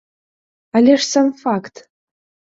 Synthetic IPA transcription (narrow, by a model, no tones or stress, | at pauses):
alʲeʂsamfakt̪ʰ